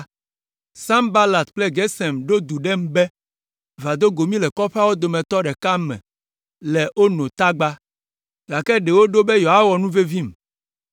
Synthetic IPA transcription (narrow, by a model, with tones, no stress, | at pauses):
sã˦mba˦la˨t̪k͡plɛ˦ɡɛ˦sɛ˨mɖo˦d̪u˨ɖɛ˦m˦bɛ˦ | va˨d̪o˦ɡo˨mĩ˦lɛ˨kɔ˦ɸe˦a˦wo˦d̪o˨mɛ̃˨t̪ɔ˦ɖɛ˨ka˦mɛ̰̃˨ | lɛ˨o˦nõ˨t̪a˦ɡ͡ba˦ | ɡa˨kɛ˦ɖe˨wo˦ɖo˦be˦jo˨ɦa˦wɔ˨nũ˦ve˦vi˦m